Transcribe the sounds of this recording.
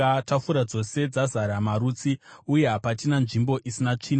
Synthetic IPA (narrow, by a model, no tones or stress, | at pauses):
tafuɾad͡zo̞se̞d͡zazaɾamaɾut͡siuje̞ɦapatinanʐimbo̞ʔisinat͡ʂiːna